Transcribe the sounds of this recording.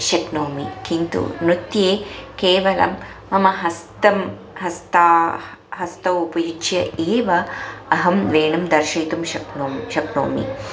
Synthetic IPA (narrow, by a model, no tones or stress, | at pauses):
ʃɐknoːmikint̪ṵnut̪jeːkeːʋɐlɐ̰mː | ɐmɐɦɐst̪ɐm | ɦɐst̪aː | ɦɐst̪ɐwupɐjut͡ʃjɐʔeːʋɐːɦɐmʋeːɳɐmd̪ɐɾʃɐjt̪umʃɐknoːʃɐkno̰ːmḭ